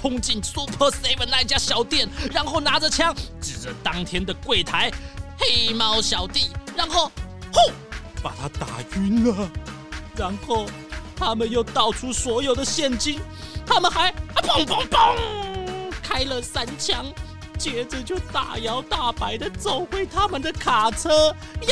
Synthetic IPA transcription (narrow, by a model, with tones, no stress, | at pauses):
pʰʊ˥ŋt͡ɕi˥˩nsu˥pʰɤ˥se˧˥ɪpə˨˩na˥˧i˨˧t͡ɕja˥ɕjɑ˨˥ʊt̪jɛ˥˩nɻa˧˥nxo˥˩ʊna˧˥ʈ͡ʂə˨t͡ɕʰjɑ˥ŋʈ͡ʂɻ̩˨˩ʈ͡ʂə˦t̪ɑ˥ŋt̪ʰjɛ˥nd̪ə˨kwe˥˩ɪt̪ʰa˧˥ɪxe˥ɪmɑ˥ʊɕjɑ˨˩ʊt̪i˥˩ɻa˧˥nxo˥˩ʊxo˥˩ʊpa˨˩t̪ʰa˦˥t̪a̰˨˩y˧˥nlə˨ | ɻa˧˥nxo˥˩ʊ | t̪ʰa˥mə˨njo˥˧ʊt̪ɑ˥˩ʊʈ͡ʂʰu˥swɔ˧˥jo˨˩ʊd̪ə˦ɕjɛ˥˩nt͡ɕi˥n | t̪ʰa˥mə˨nxa˧˥ɪpɔ˨˩ŋpɔ˥ŋpɔ˥˩ŋ | kʰa˥ɪlə˨sa˥nt͡ɕʰjɑ˥ŋ | t͡ɕjɛ˧˥ʈ͡ʂə˧t͡ɕjo˥˧˩ʊt̪a̰˨˩jɑ˧˥ʊt̪a˥˩pa˧˥ɪd̪ə˨t͡so˨˩ʊxwe˥˩ɪt̪ʰa˥mə˨nd̪ə˨kʰa˨˩ʈ͡ʂʰɤ˥